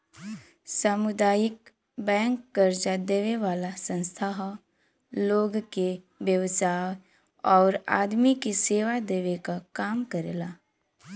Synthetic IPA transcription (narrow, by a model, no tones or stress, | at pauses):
saːmʊd̪aːjɪk | bɛ̃ːŋkːəɾd͡ʒad̪eːʋeʋaːlasə̃nst̪ʰaɦ | loːɡke | ʋjəʋsaː | ɔːɾa̰ːd̪mikiseːʋad̪eːʋekakaːmkəɾḛːlaː